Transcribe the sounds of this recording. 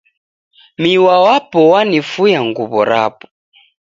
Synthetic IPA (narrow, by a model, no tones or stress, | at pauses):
miwawapɔwanifujaŋɡuβɔɾa̰pɔ̥